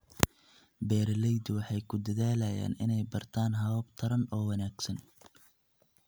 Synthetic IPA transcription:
bɛːɾlɛjd̪wɑħɑjkʰʊd̪ɐðaːlɐja̰ːnɪnɛjbɐrt̪ʰaːnɦɐβɔbt̪ʰɐɾɐnɔːwɐnaːɡsɐn

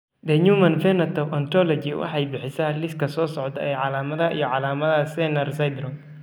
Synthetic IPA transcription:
d̪ɛɲuːmɐnfɛnɐt̪ʰɔwʔɐnt̪ɾɔlɔt͡ʃɪwʔɑ̰ħɑjbɪħɪsaːlɪskʰɐsɔːsɔʕt̪ʰɐ̰ɛjʕɑlaːmɐðɐḭjɔʕɑlaːmɐðɐsɛnɐrsɐjd̪ɾɔn

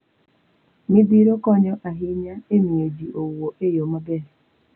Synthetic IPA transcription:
mibiɾokɔɲɔʔaɦiɲaemiŋed͡ʒiʔowoʔejomabeɾɛ

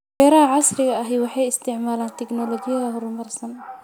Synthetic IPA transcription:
wɛːɾɐɦɐʕɑsrɪɣɐɐɦɛjwɑħɑjɪst̪ʰɪʕmaːlaːnt̪ʰɛɡnɔlɔɣɪjɐðɐɦʊɾmɐrsɐn

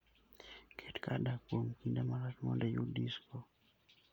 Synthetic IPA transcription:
kʰetkadakwomkindamaɾatmɔ̰ndɛjudisko

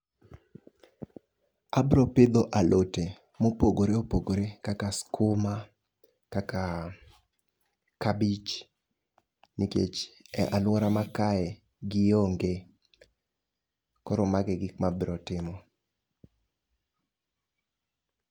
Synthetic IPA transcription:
abɾɔpɪd̪oʔalʔote | mopoɡoɾeopoɡoɾekakaskʰʊma | kaka | kabit͡ʃ | nikḛt͡ʃɛʔalwɔɾamakaɛ | ɡɪjoŋɡe | kɔɾɔmaɡɛɡɪkmabɾɔtɪmɔ

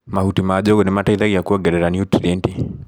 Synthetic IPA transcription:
mahutimad͡ʒɔɡɔnɪmataiðaɡiakuɔɡɛdɛɾanjutɾienti

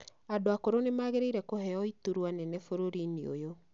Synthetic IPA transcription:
adoakoɾonemaːɣeɾeiɾɛkoɦɛɔituɾwanɛnɛfoɾoɾineo̰jo

